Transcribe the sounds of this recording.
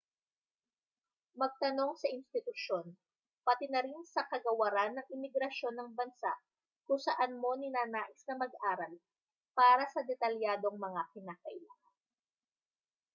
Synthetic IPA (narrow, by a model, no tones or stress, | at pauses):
mɐɡ̚t̪ɐno̞ŋsɐʔɪnst̪ɪt̪ʊʃjo̞n | pɐt̪ɪnɐɾinsɐkɐɡɐwɐɾanːɐŋʔɪmɪɡɾɐʃo̞nːɐŋbɐnsa̰ʔ | kʊŋsɐʔanmo̞nɪnaːnaːʔɪsnɐmɐɡ̚ʔaːɾɐl | paːɾɐsɐd̪ɛt̪ɐljaːd̪o̞ŋmɐŋakɪnaːkɐʔɪlaːŋɐn